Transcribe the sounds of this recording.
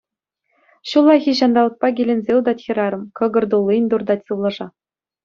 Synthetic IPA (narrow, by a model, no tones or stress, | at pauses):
ɕulˠːɑxʲiɕɑnd̪ɑlˠɤ̆k̚pɑɡʲilʲĕnʲzʲeud̪ɑtʲxʲĭɾɑɾɤ̆mkɤ̆ɡɤ̆rd̪ulˠːinʲd̪urd̪ɑt̪ʲsɯʋlˠɤʐɑ